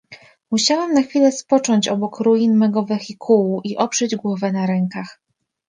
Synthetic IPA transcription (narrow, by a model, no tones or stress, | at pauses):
muɕawɛmnaxfʲilɛspɔt͡ʂɔɲt͡ɕɔbɔkɾujinmɛɡɔvɛxikʰuwuʔiʔɔpʂɛd͡ʑɡwɔvɛnaɾɛŋkax